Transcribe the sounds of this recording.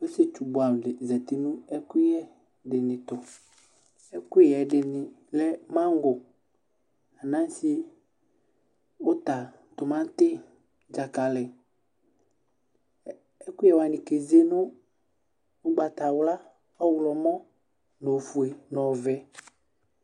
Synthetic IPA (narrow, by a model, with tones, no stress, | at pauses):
we˦se˦t͡ʃu˨bʊ˨a˨dɪ˨zɛ˨t̪ɪ˨nũ˦ɛ˦kʊ˦jɛ˦ | dɪ˨nɪ̃˨tʊ˨ | ɛ˦kjɛ˨dɪ˨nɪ˨ | lɛ˦mã˦ŋ˦ɡʊ˨ | a˨nã˦n˦si˦ | ʊ˦ta˨ | t̪ʊ˨mã˦t̪ɪ˦ | d͡ʒa˨ka˨lɛ˨ | ɛ˦kʊ˦ɛ˨wa˨nɪ̃˨ke˨ze˦nʊ̃˦ | ʊ˦ɡ͡ba˨ta˨wla˦ | ɔ˦wlɔ˨mɔ̃˦ | no˨fu˨e˨nɔ˨vɛ˦